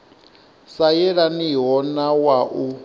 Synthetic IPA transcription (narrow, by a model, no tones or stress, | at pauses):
sajɛɺaniɦɔnawaʔu